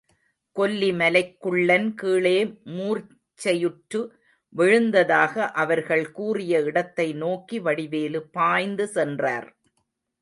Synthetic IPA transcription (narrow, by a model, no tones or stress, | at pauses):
kɔlːimɐlɐɪkːɯɭːɐnkiːɭeːmuːr | t͡ʃːɐjɯʈɾɯ | ʋɪɻɯnd̪ɐðaːɣɐʔɐʋɐɾɣɐɭkuːrɪjɐɪɽɐt̪ːɐɪnoːkiʋɐɽɪʋeːlɯpaːjnd̪ɯsɛndra̰ːɾ